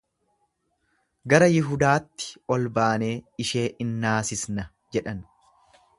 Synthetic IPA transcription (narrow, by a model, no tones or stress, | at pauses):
ɡɐɾɐjɪɦʊd̪aːt̪ːɪ̥ɔlbaːne̞ːɪʃe̞ːʔɪnːaːsɪsnɐ | d͡ʒɛᶑɐn